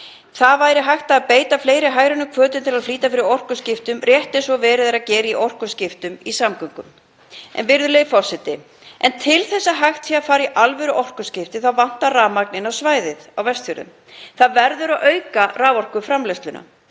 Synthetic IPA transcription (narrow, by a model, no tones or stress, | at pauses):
θaðvaːjɾɪɦajxt̪aːðpeːjt̪afleːjɾɪɦaːjɾanʏkʰvœːt̪ʏnt̪ʰɪlaðfliːt̪afɪɾɪɾɔwr̥kʏscɪft̪ʏmrjɛht̪ɛsvɔvɛːɾɪðeɾaðcɛːɾɪiʔɔwr̥kʏscɪft̪ʏmisamkœŋkʏm | ʔɛ̰nvɪɾðʏleːjfɔr̥sɛt̪ɪ | ʔɛnt̪ʰɪlθɛsːaɦaxt̪siafaːɾiʔalvɛɾʏʔɔwr̥kʏscɪft̪ɪθawvan̥t̪araːmak̚nɪnawsvaːjðɪðawvɛst̪fjɔɾðʏ̰m | θaðvɛɾðʏɾaʔœːɥkaraːvɔr̥kʏfɾamlɛst̪lʏnʔa̰